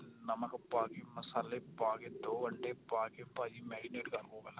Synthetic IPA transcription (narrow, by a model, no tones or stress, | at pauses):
nɐmɐkpaːɡemɐsaːlepaːɡed̪oːʋɐɳɖepaːkepaːd͡ʒimɛːɖineːʈkɐɾkoːɡɐla